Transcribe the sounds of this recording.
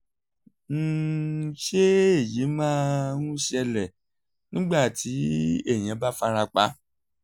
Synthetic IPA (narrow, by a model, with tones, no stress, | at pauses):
n̩˦ʃe˦e˦˨ji˨˦mãː˦nũ˦ʃɛ˧lɛ˨ | nĩ˦ɡ͡ba˦˨ti˨˦e˦˨j̃ã˨˧˦ba˦fa˧ɾa˧k͡pa˨˦